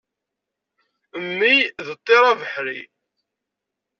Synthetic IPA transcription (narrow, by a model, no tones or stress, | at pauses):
əmːiðət̪ˤːeɾˤavəħɾḭ